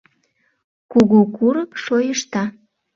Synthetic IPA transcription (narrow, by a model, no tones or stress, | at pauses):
kuɣukuɾəpʃojəʃt̪ɑ